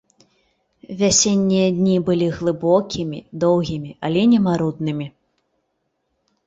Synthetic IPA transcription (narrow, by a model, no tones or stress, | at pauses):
vʲasʲenʲːijɐd̪ʲnʲibɨlʲiɣlˠɨbɔkʲʰimʲid̪ɔwɣʲimʲiʔalʲɛnʲɛmaɾud̪nɨmʲi